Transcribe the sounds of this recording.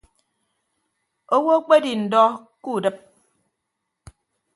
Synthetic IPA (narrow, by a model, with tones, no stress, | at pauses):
o˦wo˦k͡pe˦di˨n̩˨dɔ˦ | ku˦˨dɨ˦p̚